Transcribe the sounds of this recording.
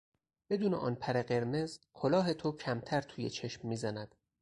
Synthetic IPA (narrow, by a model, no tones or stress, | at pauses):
b̥e̞d̪uːnḛʔɒ̰ːnpʰæɾeɢe̞ɾme̞zkʰolɒːɦet̪ʰocʰæmt̪ʰæɾt̪ʰuːjet͡ʃʰe̞ʃmːiːzænæd̪̥